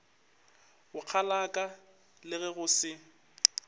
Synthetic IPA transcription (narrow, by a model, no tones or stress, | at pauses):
ɣʊq͡χʰalakʼa | lɪɣɛɣʊsɪ